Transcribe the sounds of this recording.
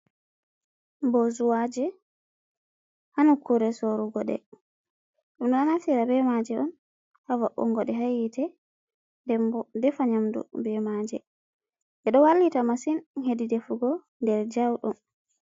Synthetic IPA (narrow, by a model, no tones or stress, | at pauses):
bɔzuwad͡ʒɛ | hanukuɾɛsoɾuɡɔɗɛ̰ | ɗumɗɔnanafiɾabɛmad͡ʒɛɔn | hawa̰ɓɔ̰ŋɡɔɗɛɦajitʰɛ | ddɛfaɲamdṵbɛmad͡ʒɛ̰ | ʔɛɗɔwalːitamasinhedidɛfuɡɔ | ndɛɾd͡ʒawɗum